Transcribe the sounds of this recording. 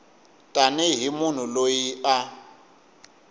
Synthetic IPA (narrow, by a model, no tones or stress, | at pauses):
tʼanɛɦimʊn̤ulojia